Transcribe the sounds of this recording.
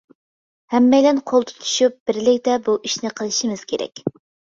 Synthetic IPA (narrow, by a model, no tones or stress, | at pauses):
hɛmːɛjlɛnqʰolˠt̪ʰɨ̥t̪ʰu̥ʃup̚b̥ɪɾlɪkʲt̪ɛbuʔiʃnɪqʰəlˠɨʃimɨz̥kʲʰeɾɛ̰kʲ